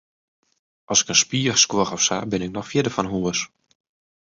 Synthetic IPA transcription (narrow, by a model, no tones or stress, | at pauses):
ʔɑlˠsɪ̥kənspiəskwoχɔfsa̰bɪnɪk̚nɔxfjɪdəfɔnɦuəs